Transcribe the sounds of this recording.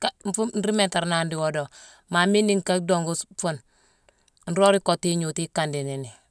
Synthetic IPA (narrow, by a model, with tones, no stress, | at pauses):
ka˦m̩˦fu˦n̩˦ɾi˦me˨nta˨ɾna˨n˦di˨wo˦do˨ | ma˨mi˦ndi˦ŋ˨ka˦do˨ŋɡu˦sfu˦n | n̩˦ɾo˦ɾi˦ko˨ti˦ɲu˨ti˦ka˨ndi˨ni˨ni˨